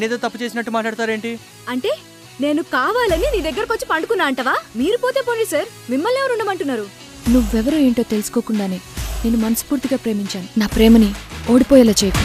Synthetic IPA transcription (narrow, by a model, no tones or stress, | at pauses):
neːd̪ɐt̪ɐpːut͡ʃe̞ːsinɐʈːumaːʈɭaːɽt̪aːɾe̞ːɳʈi | ɐɳʈe̞ː | ne̞ːnukaːʋaːlɐniniːd̪ɐɡːɐɾɐkot͡ʃːi̥pɐɳɖukunːaːɐɳʈɐʋaːmiːɾupo̞ːt̪e̞ːpoɳɖisɐɾ | mimːɐlːɛʋɐɾuɳːɖɐmɐɳʈunːaːɾu | nuʋuɛʋɐɾoeːɳʈoːt̪elusu̥ko̞ːkuɳɖaːneːne̞ːnumɐnɐsu̥puːɾt̪iɡaːpɾe̞ːmiɲt͡ʃaːninaːpɾɛːmɐnio̞ːɽipɔːjaːlaːt͡ʃejɐku